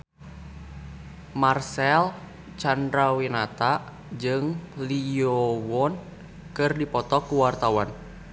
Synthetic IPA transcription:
marsɛl | t͡ʃandɾawinat̪aʔ | d͡ʒɨŋliɔwɔn | kɨrdipɔt̪ɔkuwart̪awan

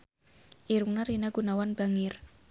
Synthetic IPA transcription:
ʔiɾuŋnaɾinaɡ̥unawanb̥aŋɪr

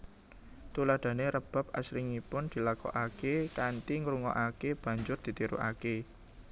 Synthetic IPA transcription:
t̪ulad̪̥a̤neɾəb̥a̤p̚a̰sɾiŋipʊnd̪̥i̤lakɔ̰ʔakekant̪iŋɾuŋɔ̰ʔakeb̥ä̤ɲd͡ʒʊrd̪̥i̤t̪iɾṵʔa̰ke

